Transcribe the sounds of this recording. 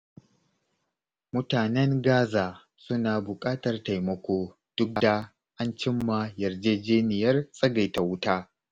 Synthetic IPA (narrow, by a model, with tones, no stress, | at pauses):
mʊ˦taː˨nɛ˦ŋɡaː˦zaː˨ | sʊ˦naː˨bʊ˨kʼaː˦tɐ˨rta˨jmɐ˦kʷoː˦ | d̥ʊ˦k̚ɡdaː˦˨ | ʔa˦nt͡ʃɪ˦mːaː˨jɐ˨rd͡ʒeː˦d͡ʒeː˦nɪ˨jɐ˦rsʼɐ˦ɡa˨jta˨wʊ˦taː˦